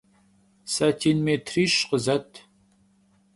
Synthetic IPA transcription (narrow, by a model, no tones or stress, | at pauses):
sɐtʰiːnmeːtʰriːɕqəzɐtʰ